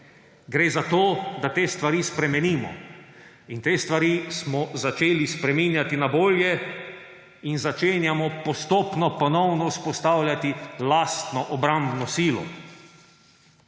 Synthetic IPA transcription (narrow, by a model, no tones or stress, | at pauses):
ɡɾeːzat̪oːd̪at̪eːst̪ʋaɾiːspɾɛmɛniːmɔ̰ | int̪eːst̪ʋaɾismɔzat͡ʃeːlispɾɛminjat̪inaboːljɛ | inzat͡ʃeːnjamɔpɔst̪oːpnɔpɔnɔwnɔuspɔst̪awlʲjat̪ilast̪nɔʔɔbɾambnɔsiːlɔ̰